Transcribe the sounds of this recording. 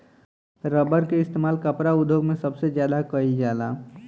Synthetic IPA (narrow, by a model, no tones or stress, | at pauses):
ɾəbəɾkeɪst̪emaːlkəpɾaud̪ʱːjoɡmẽsəbsed͡ʒjad̪akəid͡ʒala